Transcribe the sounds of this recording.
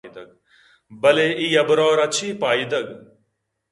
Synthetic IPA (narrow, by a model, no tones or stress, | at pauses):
id̪ɐɡ̚ | bɐleːiːɐbɾɔːɾɐt͡ʃʰiːpaːid̪ɐɡ